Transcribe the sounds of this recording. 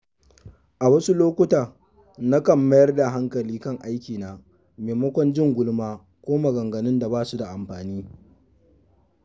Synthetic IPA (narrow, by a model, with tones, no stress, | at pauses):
ʔa˨wɐ˦su˦loː˦kʷʊ˦taː˨ | na˦kɐ˨mːɐ˦jɐ˦rda˨ɦa˦ŋkɐ˨liː˦kɐ˦ŋʔa˦jkʲiː˨naː˨ | meː˨mɐ˦kʷɔ˦nd͡ʒɪ˦ŋɡʷʊ˦lmaː˦ | kʷoː˦ma˨ɡɐ˨ŋɡɐ˨nɪ˦nda˨baː˦su˦da˨ʔa˨mɸaː˨niː˦